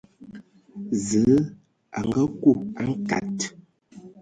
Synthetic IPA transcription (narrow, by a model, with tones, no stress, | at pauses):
zə˨˦ | a̰˨ŋ˦ɡə˦ku˦˨a˦ŋ̩˦ka̰˨t